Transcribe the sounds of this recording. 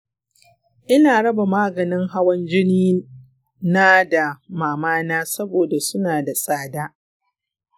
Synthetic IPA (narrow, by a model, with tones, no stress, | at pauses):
ʔɪ˦naː˨ɽɐ˦ba˨maː˦ɡɐ˨nɪ˦ŋɦa˦wɐ˦nd͡ʒɪ˦niː˦ | naː˦da˨maː˨maː˦naː˦sɐ˦boː˨da˨sʊ˦naː˨da˨sʼaː˦daː˦